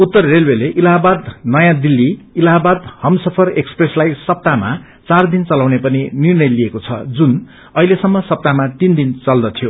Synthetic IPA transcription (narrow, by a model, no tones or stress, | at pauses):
ut̪ːʌrːelweleʔilaɦabad̪nʌjãd̪ilːiːlaɦabad̪hʌmsʌpʰʌrekspreslajsʌp̚t̪ama̰ | t͡sard̪int͡sʌlawnepʌninirnʌjliekot͡sʰʌ̰d͡zun | ʌɦilesʌmːʌsʌp̚t̪amat̪ind̪int͡sʌld̪ʌt̪ʰijo